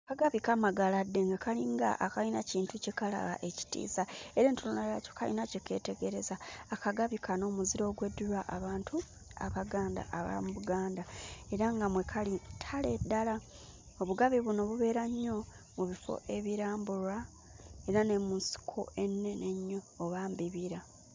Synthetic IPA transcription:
kaɡaβikamaɡaladːe̞ŋɡakaliŋɡa̰ʔakalinaciːntucekala̰la̰ʔe̞ci̥tḭːzae̞ɾeːntulunaja̰co̥ka̰lḭnaceke̞̰te̞ɡe̞ɾe̞zaːkaɡaβikano̞ːmuziɾo̞ːɡwe̞dulwaʔaβaːntʰu | aβaɡaːnda̰ʔaβa̰muβuɡaːndae̞ɾaŋɡamwekʰalitʰale̞dːala | oβuɡaβiβuno̞βuβe̞ɾaɲːo̞ | muβifo̞̰ʔe̞βiɾaːmbuɾa | e̞ɾane̞munsi̥kʰo̞̰e̞nːe̞neɲːoːβaːmbiβiɾa

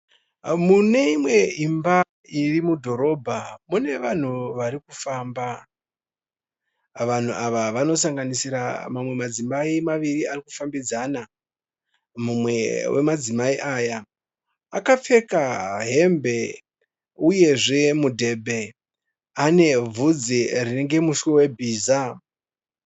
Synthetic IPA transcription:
mune̞imwe̞imba | irimudʱo̞ɾo̞ːbʱamune̞ʋan̤uʋaɾikufaːmba | ʋan̤uʔaʋaʋano̞saŋɡanisiɾamamwe̞mad͡zimaimaʋiriarikufambid͡zana | mumwe̞we̞̰mad͡zimaiʔaːja | akap͡fe̞kaɦe̞mbe̞ | uje̞ʐe̞mudʱe̞bʱe̞ | ane̞vʱud͡zirine̞ŋɡe̞muʃwewe̞bʱiːza

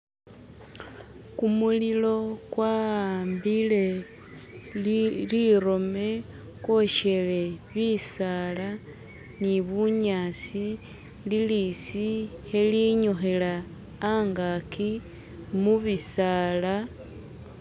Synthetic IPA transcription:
kumulilo̞kwaaːmbile̞ | liɾo̞me | ko̞ʃe̞le̞βisala | niβuɲaːsi | lilisixeliɲoxelaː | ŋɡakʰi | muβisala

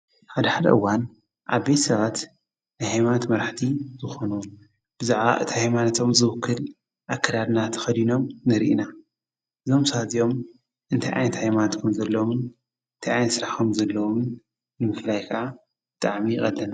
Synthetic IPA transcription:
ħad̪ɐħad̪ɐ̰ʔɨwːan | ʔaβbe̞t̪sɐβat̪ | najhajmanat̪mɐɾħt̪ʰizɨxo̞nuwn | b̥ɨzaʕβa̰ʔɨt̪ʰihajmanat̪ʰo̞mzɨwɨkʰːɨl | ʔakːɐd̪ad̪nat̪ʰɐ̥xɐd̪ino̞mnɨɾʔḭna | ʔɨzo̞msɐazijo̞m | ʔɨnt̪ʰajʔa̰jnɐt̪hajmanat̪kʰɐmzɐlːowomɨn | ɨnt̪ʰajajnɐt̪sɨɾaħkʰomzɐlːɐwomɨn | nɨmɨflajkʰɨʔa | b̥ɨt̪ʼaʕmixʼɐ̰lːɐna

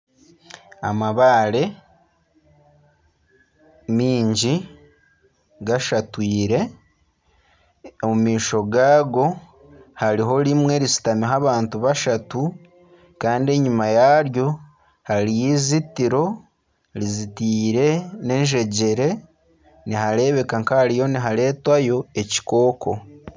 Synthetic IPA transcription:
a̰maβaːɾe̞ | miːɲɟi | ɡaʃatwiːɾe̞ | omumiːʃo̞ɡaːɡo̞ | haɾiɦo̞ɾimwe̞ɾisi̥tamiɦaβaːntuβaʃatu | kaːndie̞ɲumajaɾjo̞ | haɾijizitiɾo̞ | ɾizitiːɾe̞ne̞nʒe̞ɟe̞ɾe̞ | niɦaɾe̞βe̞kaŋkahaɾijo̞niɦale̞ːtwajo̞e̞ci̥ko̞ːkʰo̞

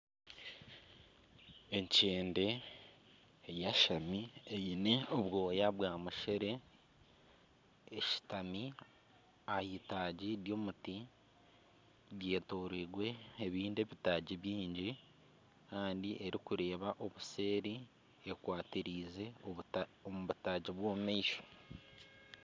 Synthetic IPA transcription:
e̞ɲceːnde̞ | jaʃamiejine̞oβwo̞ːjaβwaːmuʃeɾe̞ | ʃi̥tami | ahitaːɟiɾjo̞muti | ɾje̞ːtoːɾiɡwe̞ːβiːndeβitaːɟiβjiːɲɟi | kaːndiʔe̞ɾikuɾe̞ːβaʔo̞βuse̞ːɾi | ekwaːtiɾiːze̞oomuβutaːɟiβwoːmaiʃo̥

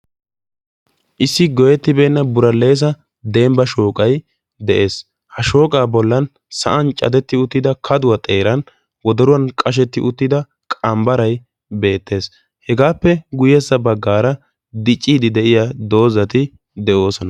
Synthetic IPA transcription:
ʔɪsːɪɡɔjɛt̪ːɪbeːnːɐbʊɾɐlːe̞ːs̬ɐ | d̪embɐʃoːkʼɐj | d̪ɛʔe̞ːs | hɐʃo̞ːkʼaːbɔlːɐn | sɐ̰ʔɐnt͡ʃʼɐ̰d̪ɛt̪ːɪʊt̪ːɪd̪ɐkʰɐd̪ʊwɐt̪ʼeːɾɐn | wɔd̪ɔɾʊwɐnkʼɐʃ̬ɛt̪ːɪʔʊt̪ːɪd̪ɐ | kʼɐmbɐɾɐj | be̞ːt̪ːe̞ːs | hɛɡaːpːɛɡʊjɛsːɐbɐɡːaːɾɐ | d̪ɪt͡ʃʼːiːd̪ɪd̪ɛʔɪjad̪o̞ːzɐt̪ɪ | d̪ɛʔo̞ːsɔnɐ

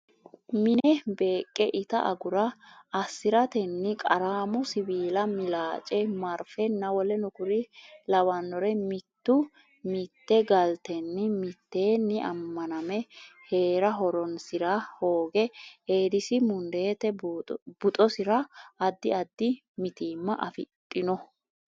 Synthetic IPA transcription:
mɪnɛbe̞ːkʼːɛʔɪt̪ɐ̰ʔɐ̰ɡʊɾɐːsːɪɾɐt̪ɛnːɪkʼɐɾaːmʊsɪbiːlɐmɪlaːt͡ʃʼɛmɐɾfɛnːɐwɔlɛnʊkʊɾɪlɐwɐnːɔɾɛmɪt̪ːʊ | mɪt̪ːɛɡɐlt̪ɛnːɪmɪt̪ːe̞ːnːɪʔɐ̰mːɐnɐmɛhe̞ːɾɐɦɔɾɔnsɪɾɐho̞ːɡɛe̞ːd̪ɪsɪmʊnd̪e̞ːt̪ɛb̥ʊt̪ʼɔsɪɾɐɐd̪ːɪɐd̪ːɪ | mɪt̪iːmːɐʔɐfɪ̰t̪ʼːɪnɔ

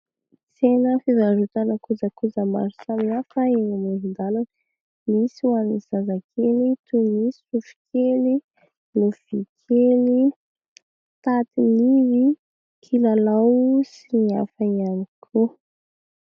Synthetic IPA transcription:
t͡senəfizaɾut̪anakud͡zəkud͡zəma̰ɾusaminafaenamuzind̪alan | misuaniz̥azakʰelit̪unisi̥ufi̥kʰeli | nuv̥ikʰeli | t̪at̪inizi | kʰilalawsiniafaianikʰu

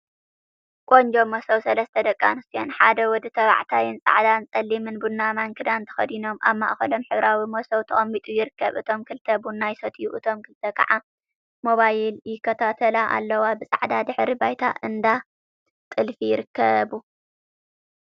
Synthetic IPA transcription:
kʼond͡ʒomosɐwsɐlɐst̪ʰɐd̪ɐkʼːa̰nɨsijonħad̪ɐwɔd̪ɨt̪ʰɐβa̰ʕt̪ʰajɨnsʼa̰ʕd̪ant͡sʼɐlːimɨnbunːamaŋkʰɨd̪ant̪ʰɐ̥xɐd̪ino̞mʔa̰βma̰ʔxɐlo̞mħɨβɾawimosɐwt̪ʰɐχʼɐmːit̪ʼujɪɾɨkʰːɐβɨt̪ʰo̞mkʰɨlt̪ʰɐbunːajsot̪ʰjuʔɨt̪ʰo̞mkʰɨlt̪ʰɐkʰɐ̰ʕa | mo̞βajɪljɪkʰːɐt̪ʰat̪ʰɐlaʔa̰lːɐwabɨsʼa̰ʕd̪ad̪ɨħɾibajt̪ʰa̰ʔɨnd̪a | t̪ʼɨlfijɪɾɨkʰːɐbu

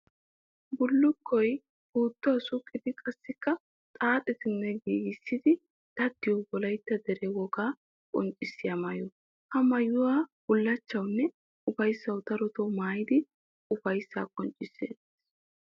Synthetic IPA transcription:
bʊlːʊkʰːɔj | b̥uːt̪ːɔwɐsʊkʼːɪd̪ɪkʼɐsːɪkːɐ | t̪ʼaːt̪ʼɪt̪ɪnːɛɡiːɡɪsːɪd̪ɪ | d̪̥ɐd̪ːɪjwbɔlɐjt̪ːɐd̪ɛɾɛwɔɡaː | kʼɔnt͡ʃʼːɪsːɪjamɐjɔ | hɐmɐjʊwaːb̥ʊlːɐt͡ʃːɐwnːɛ | ʊfɐjsːɐwt̪ɐɾɔt̪ɔmaːjɪd̪ɪ | ʊfɐjsːa̰ːkʼɔnt͡ʃʼːɪsːḛːd̪

